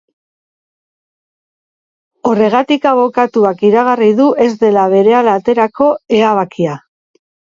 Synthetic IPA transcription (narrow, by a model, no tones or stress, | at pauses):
o̞re̞ɣ̞at̪ikaβo̞kat̪uakiɾaɣ̞ariðuʔe̞zd̪e̞laβe̞ɾe̞alat̪e̞ɾako̞e̞aβ̞akia